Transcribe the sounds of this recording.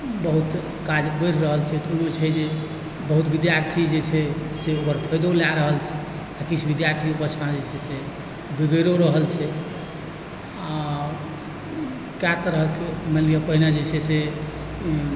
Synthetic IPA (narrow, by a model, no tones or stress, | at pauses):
bəɦut̪ | kad͡ʒbəjɾɾəɦəlt͡ʃʰɛt̪umet͡ʃʰɛd͡ʒe | bəɦut̪bid̪jaɾt̪ʰid͡ʒet͡ʃʰɛseokəɾpʰəjd̪olaɾəɦəlt͡ʃʰɛ | akit͡ʃʰbid̪jaɾt̪ʰiobət͡ʃʰmãd͡ʒet͡ʃʰɛse | biɡəɾoɾəɦəlt͡ʃʰɛ | a | kjat̪əɾəkeməlijəpəɦinad͡ʒet͡ʃʰɛse